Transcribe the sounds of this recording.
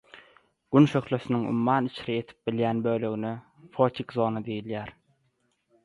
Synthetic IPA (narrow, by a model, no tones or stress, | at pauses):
ɡ̥ynʃø̞xløsyniŋṵmːɑːnit͡ʃʰiɾije̞t̪ʰi̥p̚biljæːnbø̞ːlø̞ɣyne | fot̪ʲʰikzo̞ːnɑd̪ejiljæːɾ